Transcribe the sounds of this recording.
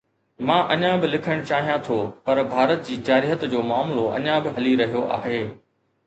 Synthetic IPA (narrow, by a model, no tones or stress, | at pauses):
mãːʔɐɲãbɪlɪkʰəɽ̃t͡ɕaːɦijãt̪ʰopɐɾbʱaːɾət̪̚d͡ʑiːd͡ʑaːɾiːɦət̪d͡ʑoːmaːmloʔɐ̰ɲãbɪɦɐliɾɐɦijoʔa̰ːɦeː